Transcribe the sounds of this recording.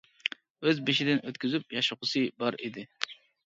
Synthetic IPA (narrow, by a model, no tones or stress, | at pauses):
øzbɪʃɪd̪ɪnʔøt̪kʲyzypjɑʃʊqʊsɨbɑɾid̪ɪ